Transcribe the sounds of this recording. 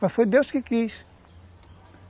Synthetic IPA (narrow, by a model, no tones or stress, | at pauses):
asod̪ewskɪkis